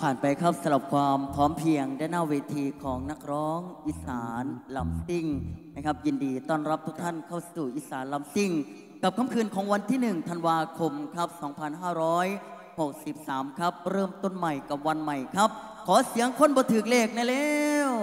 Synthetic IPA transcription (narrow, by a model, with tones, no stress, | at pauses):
pʰaː˨˩npa˧jkʰa˦˥p̚sa˧la˨˩p̚kʰwaː˧mpʰɔː˨˦˥mpʰi˧əŋdaː˧˥˩naː˥˩weː˧t̪ʰiː˧kʰɔː˩˦ŋna˦˥k̚ɾɔː˦˥ŋʔi˨˩saː˩˦nla˨˩˦msi˧˩ŋna˦˥kʰa˦˥p̚ji˧ndiː˧t̪ɔː˥˩nɾa˦˥p̚t̪ʰu˦˥k̚t̪ʰa˥˩nkʰa˥˩wssuː˨˩ʔi˨˩saː˩˦nla˨˩˦msi˧˩ŋ | ka˨˩p̚kʰa˧˥mkʰɯː˧nkʰɔː˩˦ŋwa˧nt̪ʰiː˥˩nɯ˨˩ŋt̪ʰa˧nwaː˧kʰo˧mkʰa˦˥p̚sɔː˩˦ŋpʰa˧nɦaː˥˩ɾɔː˦˥j | ho˨˩k̚si˨˩p̚saː˩˦mkʰa˦˥p̚ɾɤː˥˩mt̪o˧˥˩nma˨˩jka˨˩p̚wa˧nma˨˩jkʰa˦˥p̚ | kʰɔː˨˩˦si˩˦əŋkʰo˥˨nbɔː˧˦t̪ʰɯː˨˩k̚leː˧˩k̚na˧˥˩lɛː˧w